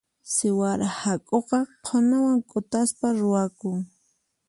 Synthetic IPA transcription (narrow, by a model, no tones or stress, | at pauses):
sɪwaɾahakʼoqɑqʰonawaŋkʼʊt̪aspaɾʊwakʊŋ